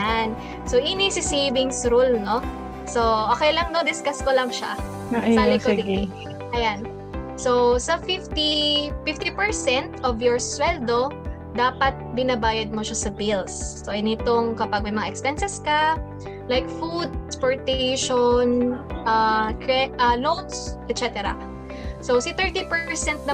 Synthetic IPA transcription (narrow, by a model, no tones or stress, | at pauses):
an | soʔinisɪsiːbɪŋsɾulno | soʔoːkɛjlɐŋnod̪ɪskaskolɐŋʃa̰ | salɛkoɪ | ʔɐjan | sowsɐfɪft̪ifɪft̪ipɛɹsɛnt̪ʔɔvjɔɹswɛld̪o | d̪aːpɐt̪̚bɪnɐbaːjɐd̪̚moʃasɐbilsːoʔɐnɪt̪oŋkɐpɐɡ̚mɐjmɐŋa̰ʔɛkspɛnsɛskɐ | lajk̚fud̪̚ɛspoɹt̪ɛjʃonʔɐkɹɛʔɐnowt̪̚sʔɛt̪̚t͡ʃɛt̪ɛɾɐ̰ | sowsɪt̪ɛɹt̪ipɛsɛnt̪̚nɐ